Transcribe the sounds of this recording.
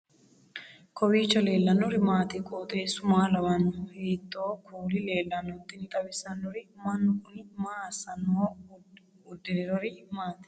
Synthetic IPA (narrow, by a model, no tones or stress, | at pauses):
kʰɔwiːt͡ʃːɐle̞ːlːɐnːɔɾɪmaːt̪ɪkʼoːt̪ʼeːsʊmaːlɐwɐnːɔheːt̪ʼːoːkʰuːlɪle̞ːlːɐnːɔt̪ːɪnt̪ʼɐbɪsɐnːɔɾɪmɐnːʊkʊnmaːsɐnːoː | ʊd̪ːɪnɛɾɔɾɪmaːt̪ɪ̥